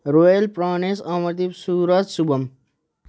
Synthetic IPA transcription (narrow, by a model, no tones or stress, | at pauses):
ɾoːjɐlpɾaːneːsãːmɐɾt̪ibsuːɾat̪subɐm